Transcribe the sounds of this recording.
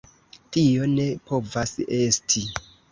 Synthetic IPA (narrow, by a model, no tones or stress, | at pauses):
tio̞ne̞po̞vase̞stʰi